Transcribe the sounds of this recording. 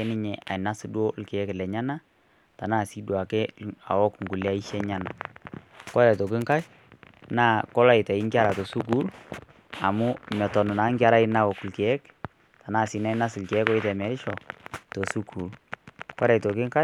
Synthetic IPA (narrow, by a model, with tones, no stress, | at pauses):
ɛ˦nɪ˦ɲɛ˨ʔa˨ɪ˨na˦sdwo˦lkɛ˨ɛ˦klɛ˨ɲa˦na˦ | ta˨na˦˨si˦dwa˨kɛ˦a̰˨wɔ˦kŋɡu˨la˦i˦ʃɛ˦ɲa˦na˨ | kɔ˦ɾɛ˨tɔ˨k̬ɪ˦ŋka˦ʃ | naː˦˨kɔ˦la˦ɪ˨tɛ˨ɪ˦ŋɡɪ˦a˦ɾa˨tɔ˨su˦k̬u˦l | a˨mʊ˦mɛ˨tɔ˨nʊ˨na˨˦ŋɡɪ˦a˦ɾa˦ɪ˦na˦wɔ˨klke˨ɛ˦k | ta˨na˦˨si˨na˦ɪ˦na˦slkɛ˨ɛ˦kɔ˦ɪ˦tɛ˨mɛ˨ɾɪ˦ʃɔ˨tɔ˨su˦ku˨lkɔ˦ɾɛ˨tɔ˨kɪ˦ŋka˦